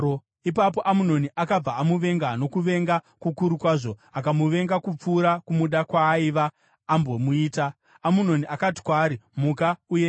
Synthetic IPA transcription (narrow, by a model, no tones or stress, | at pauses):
ipapo̞ʔamuno̞niʔakab͡vaːmuʋe̞ŋɡano̞kuʋe̞ŋɡa | kukuɾukwaːʐo̞akamuʋe̞ŋɡakup͡fuːɾakumuɗakwaːiʋaː | mbo̞muiːtaː | muno̞niʔakati̥kwaːɾimukauje